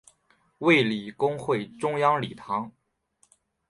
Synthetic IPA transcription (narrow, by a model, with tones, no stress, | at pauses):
we˥˩ɪli˨˩kʊ˥ŋxwe˥˩ɪʈ͡ʂʊ˥ŋjɑ˥ŋli˨˩t̪ʰɑ˧˥ŋ